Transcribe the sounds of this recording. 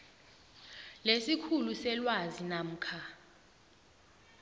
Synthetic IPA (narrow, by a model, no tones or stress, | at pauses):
lesikʰulusɛlwazinam̩ːkʰa